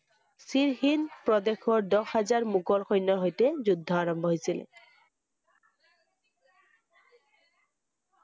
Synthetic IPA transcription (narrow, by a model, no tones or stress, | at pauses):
siɹhinpɹɔd̪exʰɔɹdɔxazaɹmukɔlxɔjnːɔɦojtezud̪ʱːɔaɹɔmbʱɔɦojsilḛ